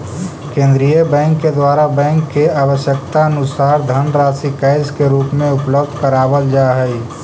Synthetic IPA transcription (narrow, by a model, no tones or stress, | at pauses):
kẽːnd̪ɾijəbɛ̃ːŋkːed̪waːɾabɛ̃ːŋkːeaːwəʃjəkt̪aənʊsaːɾd̪ʱənɾaːsikəɪskeɾuːpmẽʊpləbd̪ʱkəɾaːbəld͡ʒaːɦɛi